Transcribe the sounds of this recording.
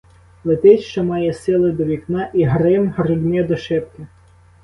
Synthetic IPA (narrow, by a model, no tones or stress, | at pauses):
lˠɪt̪ɪʃt͡ʃɔmɑjɛsɪlˠɪd̪ɔʋʲiknɑʔiɦɾɪmɦrɪɡnʲɛd̪ɔʃɪpkʲɪ